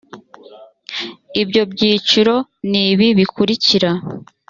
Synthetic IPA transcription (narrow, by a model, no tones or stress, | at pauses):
ibɟo̞bɟiːt͡ʃuɾo̞niβiβikuɾiciɾa